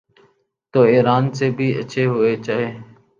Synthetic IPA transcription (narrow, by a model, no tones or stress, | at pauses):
t̪oːiːɾaːnseːbʱiːə̰ʃʰeːɦʊːeːt͡ʃaːɦeː